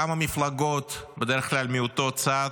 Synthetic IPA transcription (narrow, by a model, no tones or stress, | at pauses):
amamiflaɡot̪bed̪eɾeχklalmiot̪ot͡sa